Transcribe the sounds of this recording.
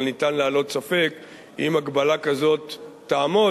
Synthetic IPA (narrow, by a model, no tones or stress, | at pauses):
nit̪anleːlo̞t̪safe̞k | ḭmaɡbalakazo̞t̪ː | aːmo